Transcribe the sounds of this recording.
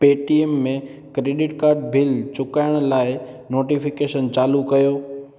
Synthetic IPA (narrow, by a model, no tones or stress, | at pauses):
peːʈiemːẽkɾeːɖɪʈkaːɾɖ̚bɪlt͡ɕʊkaːɪɽ̃laːɪnoːʈifɪkeːʃənt͡ɕaːlukɐjoː